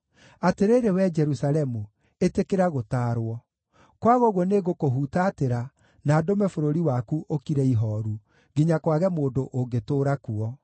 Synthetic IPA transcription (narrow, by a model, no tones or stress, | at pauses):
ateɾeɾewɛd͡ʒɛɾusalɛmu | etekeɾaɣotaːɾwɔ | kwaɣɔɣwɔneɣokoɦutaːteɾa | naːdomɛfoɾoɾiwakuʔokiɾɛiɦɔɾu | ɡiɲakwaɣɛmoːndoʔoŋɡetoːɾakuɔ